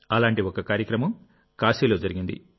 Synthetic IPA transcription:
ɐlaːɳʈiokɐkaːɾjɐkɾɐmɐm | kaːʃiːlo̞ːd͡ʒɐɾiɡind̪ḭ

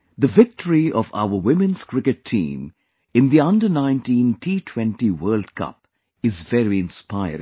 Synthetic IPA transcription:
d̪əvɪk̚ʈəɹiʔɔva̰ʊəwɪmɨ̃nz̥kɹɪkɨtʰḭ̃ːm | ɪ̃nd̪iʌ̃ndənãɪ̃ntĩːntʰiːtʰw̥ɛ̃ntiwɜːldkʰʌ̰p | ɪzvɛɾiɪ̃nspaɪə̰

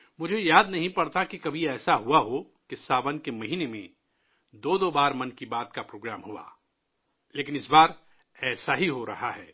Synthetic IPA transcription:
mʊd͡ʒʱejaːd̪nɐɦĩpɐɽt̪akikɐbʱiɛːsaɦuaɦo | kesaːʋənkemɐɦiːnemḛ̃ | d̪oːd̪oːbaːɾmɐnkibaːt̪kapɾoːɡɾaːmɦua̰ː | leːkɪnɪsbaːɾ | ɛːsaɦiɦoɾɐɦaɦɛː

